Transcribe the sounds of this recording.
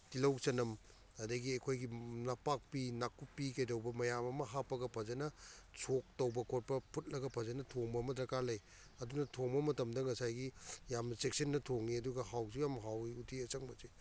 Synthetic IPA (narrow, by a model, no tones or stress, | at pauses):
tilɐwsɐnɐm | ɐdɐɡiɐjkʰojɡinɐpak̚pinakupːikɐjdɐwbɐmɐjamɐmɐɦapːɐɡɐpʰɐzɐnɐsʰok̚tɐwbɐkʰot̚pɐpʰut̚lɐɡɐpʰɐzɐnɐtʰoŋbɐmɐdɾɐkalɐj | ɐdunɐtʰoŋbɐmɐtɐmdɐŋɐsajɡijamsek̚sɐnːɐtʰoŋniɐduɡɐhawsijamɦawiutʰiɐsɐŋbɐsi